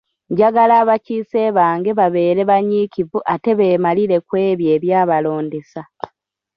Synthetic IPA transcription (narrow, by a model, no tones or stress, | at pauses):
ɲɟaɡalaːβaciːse̞ːβaːŋɡe̞βaβe̞ːɾe̞βaɲiːkivuʔate̞βe̞ːmaliɾe̞kwe̞ːβje̞ːβjaːβalo̞ːndesa